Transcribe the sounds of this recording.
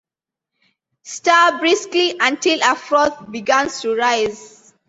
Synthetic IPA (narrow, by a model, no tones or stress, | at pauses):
stabɹiskliʔãntilafɹɔθbiɡãnstuɹaɪz